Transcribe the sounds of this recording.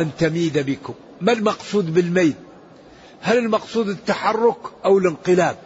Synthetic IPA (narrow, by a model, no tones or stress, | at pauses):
ant̪amiːd̪abɪkʊmːalmɑqsˤuːd̪bɪlmaːd̪ | halɪlmɑqsˤuːd̪ɪt̪ːaħɑrˤːʊkʔawɪlɪnqɨlaːb̚